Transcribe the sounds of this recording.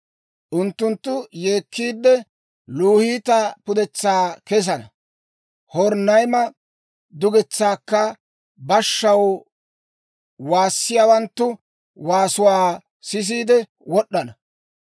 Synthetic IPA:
ʔʊnt̪ːʊnt̪ːʊjeːkːiːd̪ːɛ | luːhiːt̪ɐpʊd̪ɛt͡sːaːkɛs̬ɐnɐ | hɔɾnːɐjmɐ | d̪ʊɡɛt͡sːaːkːɐ | bɐʃːɐw | waːsːɪjaːwɐnt̪ːʊ | waːsʊwaː | sɪs̬iːd̪ɛ | wɔɗːɐnɐ

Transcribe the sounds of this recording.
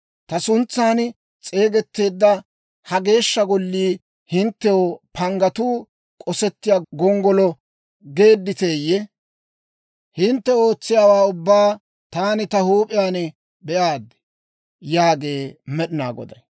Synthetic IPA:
t̪ɐsʊnt͡sːaːn | t͡sʼe̞ːɡɛt̪ːe̞ːd̪ːɐ | hɐɡe̞ːʃːɐɡɔlːiː | hɪnt̪ːɛwopʰɐŋɡɐt̪uː | kʼɔsɛt̪ːɪjaɡɔŋɡɔlɔ | ɡe̞ːd̪ːɪt̪e̞ːjɛ | hɪnt̪ːɛo̞ːt͡sːɪjaːwaːʊbːaː | t̪aːnɪt̪ɐhuːpʼɪjaːn | bɛʔaːd̪ːɛ̥ | jaːɡe̞ːmɛɗɪna̰ːɡɔ̰d̪ɐj

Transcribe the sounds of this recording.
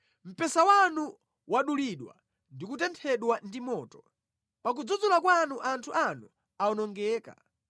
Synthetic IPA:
m̩pɛsawanu | waɗuliɗwa̰ | ndikutɛntʰɛɗwandimɔːtɔ̥ | pak̬ud͡zud͡zulakwanuʔantʰuʔanu | aɔnɔŋɡɛːka̰

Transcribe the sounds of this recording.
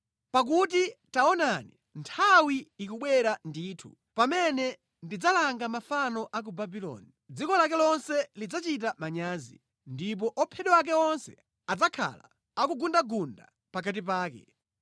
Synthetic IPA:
pak̬ut̬itaɔnanḭ | ntʰawiːkuɓwɛɾandiːtʰṵ | pamɛnɛ | ndid͡zalaŋɡamafanɔʔak̬ubabilɔ̰ːni | d͡zikɔlakɛlɔnsɛlid͡zat͡ʃitamaɲaːzḭ | ndip̬ɔʔɔpʰɛɗɛwak̬ɛɔnsɛ | ad͡zakʰa̰la̰ | akuɡundaɡunda | pak̬at̬ip̬aːkɛ̰

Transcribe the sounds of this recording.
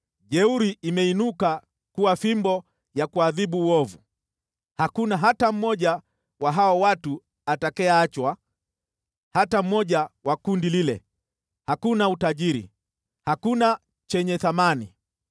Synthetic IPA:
ʄɛuɾiimɛinuka | kuwafimbɔ | jakuaðiɓuːɔvu | hakunaɦatam̩mɔʄa | waɦaɔwatu | atakɛaat͡ʃwa | hatam̩mɔʄawakundililɛ̰ | hakunautaʄiɾḭ | hakuna | t͡ʃɛɲɛθamani

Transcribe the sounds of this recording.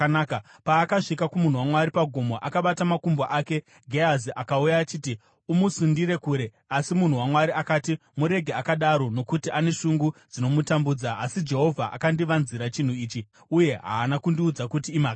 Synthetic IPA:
ka | paːkaʐikakumun̤uwamwaɾipaɡʱomo̞ʔakaɓatamakumboʔaːke̞ | ɡʱeaziʔakaujaːt͡ʃiːti | umusundiɾe̞kuːɾe̞ | asimun̤uwamwaɾiʔakaːti | muɾe̞ɡʱeakaɗaɾo̞no̞kutiʔane̞ʂuŋɡud͡zino̞mutambuːd͡zaːsid͡ʒe̞ɦo̞vʱaʔa̰kandiʋanziɾat͡ʃin̤uiːt͡ʃi | uje̞ɦa̰ːnakundiud͡zakutiːmak

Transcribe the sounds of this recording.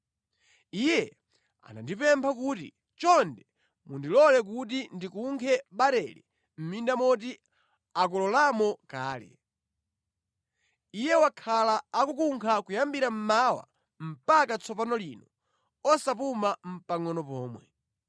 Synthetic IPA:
ijɛ | a̰na̰ndipɛmpʰakutḭ | t͡ʃɔndɛ | mundilɔlɛk̬ut̬indikuŋkʰɛɓaɾɛlḭ | m̩mindamɔt̬i | ak̬ɔlɔlamɔkaːlɛ̰ | ijɛwakʰalaakukuŋkʰakujambiɾam̩mawa̰ | m̩pakat͡sʰɔpanɔlinɔ | ɔsapumam̩paŋɔnɔpɔːmwɛ

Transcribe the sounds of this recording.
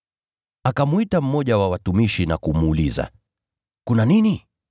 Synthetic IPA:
akamuitam̩mɔʄawawatumiʃinakumuːliza̰ | kunanini

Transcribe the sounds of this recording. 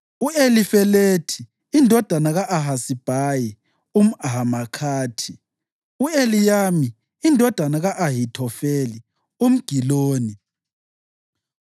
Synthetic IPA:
uelifɛletʰiː | ndʱɔd̥ʱanaɣaʔaɦasib̥ʱaːji | um̩aɦamakʰaːtʰi | uelijaːmiː | ndʱɔd̥ʱanaɣaʔaɦitʰɔfeːli | um̩ɡ̥ʱiloːni

